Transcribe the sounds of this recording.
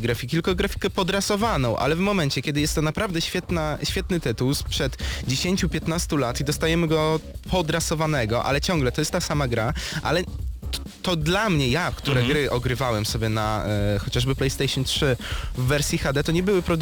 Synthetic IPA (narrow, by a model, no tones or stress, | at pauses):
ɡɾafʲikʲt̪ɨlkɔɡɾafʲi̥kɛpɔd̪ɾasɔvanɔ̃w̃ʔa̰lɛvmɔmɛnt͡ɕɛkʲɛd̪ɘjɛst̪ːɔnapɾavd̪ɛɕfʲjɛt̪naɕfʲɛt̪nɘt̪ɘt̪uwspʂɛd̪d͡ʑeɕeɲʲt͡ɕupʲjɛt̪nast̪ulat̪id̪ɔst̪ajɛmɘɡɔpʰɔd̪ɾasɔvanɛɡɔʔa̰lɛt͡ɕɔŋɡlɛt̪ɔjɛst̪t̪ːasamaɡɾaʔa̰lɛ | t̪ɔd̪lamɲɛjakt̪uɾɛɡɾɘʔɔɡɾɘvawɛmsɔbʲjɛnaxɔt͡ɕaʐbɘplɛjst̪ɛjʂɔntʂɘvːɛɾsʲjixad̪ɛt̪ɔɲɛbɘwɘpɾɔd̪